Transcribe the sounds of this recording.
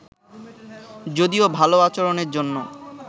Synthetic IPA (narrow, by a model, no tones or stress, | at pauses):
d͡ʑod̪iobʱaloat͡ɕoɾoneɾd͡ʑonːo